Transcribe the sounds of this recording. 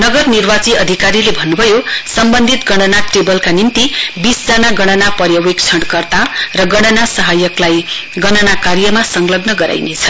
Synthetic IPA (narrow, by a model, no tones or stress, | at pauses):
nʌɡʌrnirbat͡siʌd̪ʱikaɾilebʱʌnːubʱʌjosʌmbʌnd̪ʱit̪ɡʌɽ̃ʌnaʈrebʌlkanint̪ibisd͡zʌnaɡʌɽ̃ʌnapʌɾjʌwek̚t͡sʰʌɽkʌrt̪arʌɡʌɽ̃ʌnasʌɦajʌklajɡʌnʌnakarjʌmasʌŋlʌbnʌɡʌɾa̰jnet͡sʰʌ